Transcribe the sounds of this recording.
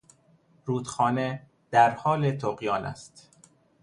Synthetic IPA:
ɾuːd̪xɒːne | d̪̥æɾhɒːlet̪ʰoɢjɒːnæ̰st̪

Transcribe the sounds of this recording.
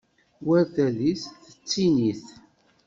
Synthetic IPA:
wæɾθælisθə̥t͡sːiniθ

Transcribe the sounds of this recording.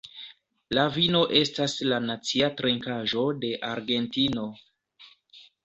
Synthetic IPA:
lavino̞ʔe̞staslanat͡siatɾeŋkaʒo̞de̞ʔaɾɡe̞ntino̞

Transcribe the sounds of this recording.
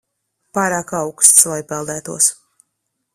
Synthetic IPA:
paːɾaːkawkst̪svajpɛlˠd̪æːt̪uɔs

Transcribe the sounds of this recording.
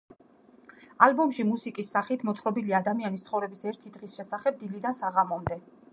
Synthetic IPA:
albɔmʃimusikʼisːaχit̪ʰmɔt̪ʰχɾɔbiliad̪amianist̪sχɔvɾɛbisɛɾt̪ʰid̪ʁisʃɛsaχɛb̚d̪ilid̪ansaʁamɔmd̪ɛ

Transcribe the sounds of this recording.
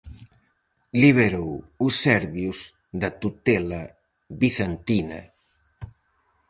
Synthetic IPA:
liβeɾowusːɛɾβjus | ðɐt̪ut̪ɛlɐ | βiθent̪inɐ̰

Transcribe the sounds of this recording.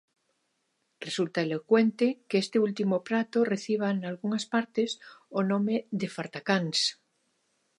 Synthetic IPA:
result̪aelokwent̪ekeest̪eult̪imopɾat̪oreθiβ̞analɣuŋaspaɾt̪esonõmeðefaɾt̪akans

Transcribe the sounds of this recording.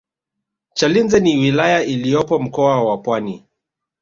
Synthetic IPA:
t͡ʃalinzɛniwilajailijɔpɔm̩kɔawapwani

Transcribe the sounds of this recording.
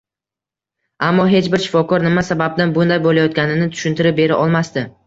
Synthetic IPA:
amːɒɦe̞t͡ʃbɪɾʃɪ̥fɒkʰɒɾnɪmasabab̚d̪anbʊnd̪ajbolajɒt̪̚kʲanɪnɪt̪ʰʊ̥ʃɪnt̪ɪɾɪp̚be̞ɾaʔɒlˠmast̪ɪ

